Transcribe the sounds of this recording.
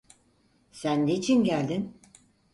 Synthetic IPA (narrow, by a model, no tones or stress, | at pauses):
sænd̪eit͡ʃʰinɟælʲd̪in